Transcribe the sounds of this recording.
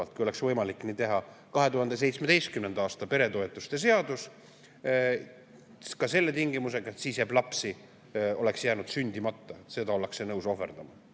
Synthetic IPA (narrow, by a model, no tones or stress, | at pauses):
ɑ̰lt̪kujo̞le̞ksvɤ̞jmɑlikːˑniːt̪e̞ɦɑkɑɦe̞t̪uhɑnd̪̥e̞s̬e̞jt̪smed̪e̞jst̪̚kymːend̪̥ɑːst̪ɑpe̞ɾe̞t̪o̞e̞t̪ːˑust̪e̞se̞ɑd̪̥us | kɑse̞lːe̞t̪iŋɡimuse̞ɡ̥ɑet̪siːsjæblɑpsi | o̞le̞ksjæːnud̪̥synʲd̪̥imɑt̪ˑːɑet̪se̞d̪ɑo̞lːeksenɤwso̞fe̞̰rd̪̥ɑmɑ